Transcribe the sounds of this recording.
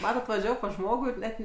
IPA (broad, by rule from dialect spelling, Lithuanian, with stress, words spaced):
ˈmɑːtɐt ʋɐˈʒʲæːʋoː pɐs ˈʒmoːɡʊ ɪr ˈnʲɛt